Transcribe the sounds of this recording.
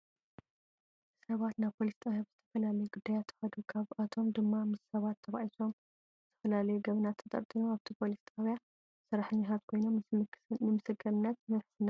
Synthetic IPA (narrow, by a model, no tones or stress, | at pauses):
sɐβat̪naβpʰo̞list̪ʼaβjabz̥ɨt̪ʰɐfɐlalɐjuɡud̪ːajat̪ʰːɨ̥xɐd̪ukʰaβat̪ʰo̞md̪ɨmːamɨssɐβat̪ʰːɐβaʔiso̞m | zɨt̪ʰɐ̥fɐlalɐjuɡɐβɨnat̪ʰːɐt̪ʼɐ̰ɾt̪ʼinuaβt̪ʰipʰo̞list̪ʼaβja | sɨɾaħɨɲːat̪ʰat̪kʰo̞jnomnɨmɨsɨɡɐɾɨnːɐt̪nɐħsɨna